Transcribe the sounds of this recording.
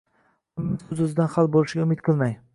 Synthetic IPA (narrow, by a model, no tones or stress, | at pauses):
mːɪɵzɵzɪd̪anhalˠbolɪʃɡʲaʊmɪt̪̚qʰɨlˠmaj